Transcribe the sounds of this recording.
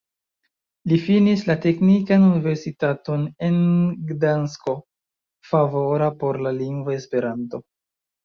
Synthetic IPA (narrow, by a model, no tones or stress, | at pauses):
lifinislate̞knikanunive̞ɾsitato̞ne̞nɡdansko̞ | favo̞ɾapo̞ɾlaliŋɡvaespe̞ɾanto̞